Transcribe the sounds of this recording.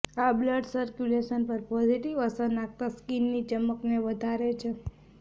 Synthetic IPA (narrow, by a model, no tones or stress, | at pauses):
abləɖsəɾkjuleʃənpəɾpɔziʈiʋəsəɾnak̚t̪askinːit͡ʃəməkneʋəd̪ʱaɾet͡ʃʰe